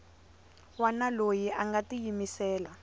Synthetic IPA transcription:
wanalojiaŋɡatijimisɛːla

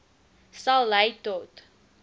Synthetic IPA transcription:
sɐlˠːəjtɔt

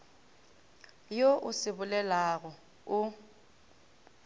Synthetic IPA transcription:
joʔʊsɪbʊlɛlaɣɔ | ʊ

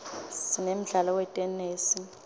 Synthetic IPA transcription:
sinem̩ɮalɔwɛtʼɛneːsi

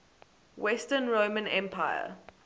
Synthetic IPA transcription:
wɛstənɹoːmə̃nɛ̃mpʰaɪə̰

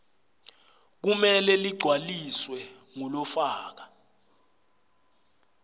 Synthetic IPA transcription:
k̬umɛlɛliɡ͡ǀʱwaliswɛŋɔlɔfaːk̬a

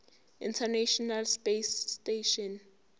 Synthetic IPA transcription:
ḭntʰɛnaʃɔnalspesteʃɔn

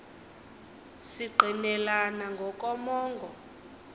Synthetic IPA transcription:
siɡ͡ǃʱinɛlanaŋɡʱɔk̬ʼɔmɔːŋɡʱɔ

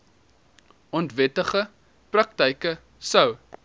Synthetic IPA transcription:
ɔntvɛtəχə | prɐk̚təjkə | səw

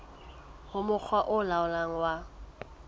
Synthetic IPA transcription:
hʊmʊk͡xʰwaʔʊlaʊlaŋ̩wa

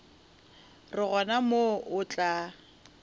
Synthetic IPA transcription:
rɪɣɔnamoʔʊt͡ɬʼa

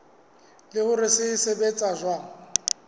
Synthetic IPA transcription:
lɪhʊɾɪsɪsɪbet͡sʼaʒwa

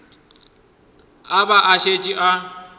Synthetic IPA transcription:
abaʔaʃet͡ʃʼiʔa

